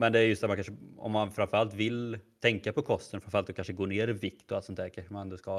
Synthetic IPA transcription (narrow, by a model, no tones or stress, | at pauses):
mɛnd̪ɛæɾjɵst̪æɾmankʰanʂəɔ̰mːanfɾanfəɾalt̪vɪlt̪ʰɛŋkapɔkʰɔst̪ənfɾanfɾalt̪ːɔkanʂəɡoːneːɾɪvɪkt̪ʊalt̪sɔnt̪ːæːɾkʰanʂəmanɛnd̪ʊska